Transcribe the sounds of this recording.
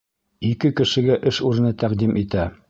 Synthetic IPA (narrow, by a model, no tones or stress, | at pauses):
ikɘkɘ̆ʃɘ̆ɡæʔɘʃuɾɘ̆nɤt̪æqd̪imʔit̪æ